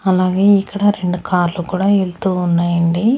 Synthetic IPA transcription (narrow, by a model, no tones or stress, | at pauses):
ɐlaːɡe̞ːikːɐɽɐɾe̞ɳɖukʰaːɾlukuːɽaːelt̪uːnːaːjɐɳɖi